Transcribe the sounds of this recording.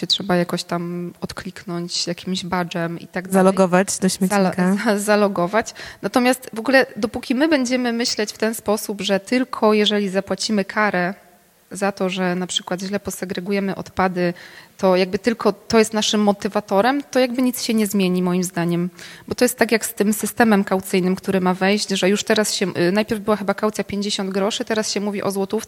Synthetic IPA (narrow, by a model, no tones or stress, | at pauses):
ɛtʂɛbajakɔɕt̪amɔt̪klʲiknɔɲt͡ɕjakʲimʑbad͡ʐɛmḭt̪aɡ̚d̪zalɔɡɔvat͡ɕd̪ɔɕmʲɛkzalɔɡɔvat͡ɕnat̪ɔmʲjast̪vɔɡulɛd̪ɔpukʲimɘbɛɲd͡ʑɛmɘmɘɕlɛt͡ɕft̪ɛnspɔsubʐɛt̪ɘlkʰɔjɛʐɛlʲizapwat͡ɕimɘkʰaɾɛ | zat̪ɔʐɛnapʂɘkwad̪ʑlɛpɔsɛɡɾɛɡujɛmɘʔɔ̰t̪pad̪ɘt̪ɔjaɡ̚bɘt̪ɘlkʰɔt̪ɔjɛst̪naʂɘmːɔt̪ɘvat̪ɔɾɛmt̪ɔjaɡbɘɲit̪sɕɛɲɛzmʲjeɲimɔjimzd̪aɲɛmbɔt̪ɔjɛst̪ːakʲjakst̪ɘmsɘst̪ɛmɛmkawt̪sɘjnɘmkt̪uɾɘmavɛjʑt͡ɕʐɛjuʂt̪ɛɾasɕɛnajpʲjɛɾvbɘwaxɘbakawt̪sjapʲjeɲd͡ʑeɕɔnd̪ɡɾɔʂɘt̪ɛɾasɕɛmuvʲiʔɔzwɔt̪uft̪